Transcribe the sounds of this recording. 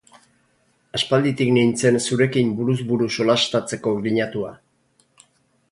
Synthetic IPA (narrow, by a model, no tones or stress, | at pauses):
aspald̪it̪iknint͡se̞nsuɾe̞kimbuɾuzβuɾuso̞last̪at͡se̞ko̞ɣiɲat̪ua